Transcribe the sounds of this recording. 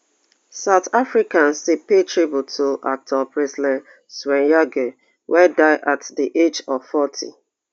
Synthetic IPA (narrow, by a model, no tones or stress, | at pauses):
saʊtafɹikãnsepetɹibutʰoʔa̰k̚tʰɔpɹɛsidɛ̃n | swɛ̃njaɡo | wʔɛdaɪʔatdiʔed͡ʒɔvfɔtʰḭ